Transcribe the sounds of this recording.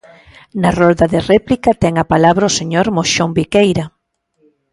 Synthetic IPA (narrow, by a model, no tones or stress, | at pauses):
naroðaðerɛplikat̪ɛŋapalaβɾaʊseɲoɾmoʃombikejɾa